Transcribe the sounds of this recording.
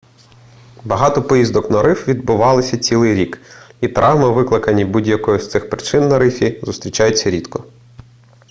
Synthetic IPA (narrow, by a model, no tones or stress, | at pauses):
bɐɦɑt̪ɔpɔjizd̪ɔknɐɾɪfʋʲid̪̚bʊʋɑlˠɪsʲɐt͡sʲilˠɪjɾʲikit̪ɾʔɑwmɐʋɪklˠɪkɐnʲibudʲjɐkɔjʊst̪sɪxpɾɪt͡ʃɪnːɐɾɪfʲizʊst̪ɾʲit͡ʃɑjʊt͡sʲːɐɾʲid̪kɔ